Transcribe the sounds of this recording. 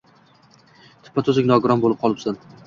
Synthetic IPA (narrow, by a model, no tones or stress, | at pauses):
t̪ʰɪ̥pːat̪ʰɵzɪkʲnɒɡʊɾɒnbolɪp̚qʰɒlˠɪpsan